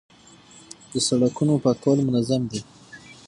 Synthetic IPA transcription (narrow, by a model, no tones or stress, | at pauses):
d̪̥əsaɽakunopɑkawəlmʊnazamd̪e